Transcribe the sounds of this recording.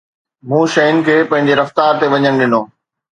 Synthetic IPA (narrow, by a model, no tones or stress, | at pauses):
mũːʃɐɪnɪ̆kʰeːpɐ̃ɦɪ̃ɲd͡ʑeɾɐft̪aːɾt̪eʋɐɲəɽ̃ɗɪnoː